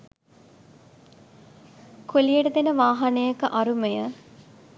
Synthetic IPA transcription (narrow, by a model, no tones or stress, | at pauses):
kolijəʈəd̪enəʋaːɦanejəkəʔaɾumejə